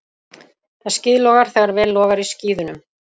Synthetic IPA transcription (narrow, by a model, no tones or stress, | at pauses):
θaðscɪːðlɔːɣaɾ̥θɛɣaɾvɛːlːɔːɣaɾisciːðʏnʏm